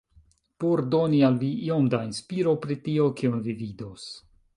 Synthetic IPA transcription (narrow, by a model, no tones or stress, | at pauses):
poɾdo̞nialviio̞mdainspiɾo̞pɾitio̞kionvividos